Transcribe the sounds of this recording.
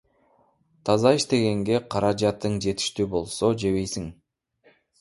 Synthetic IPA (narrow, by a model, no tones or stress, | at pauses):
t̪ʰɑzɑiʃt̪e̞ɡe̞ŋɡe̞qʰɑɾɑd͡ʒɑt̪ːɯɴd͡ʒe̞t̪i̥ʃt̪ybo̞lˠso̞d͡ʒe̞βe̞jsiŋ